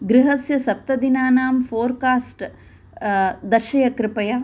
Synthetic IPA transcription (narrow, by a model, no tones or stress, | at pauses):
ɡɾɪɦɐsjɐsɐp̚t̪ɐd̪inaːnaːmfʰoːɾkaːsʈ | d̪ɐɾʃɐjɐkɾɪpɐjɐ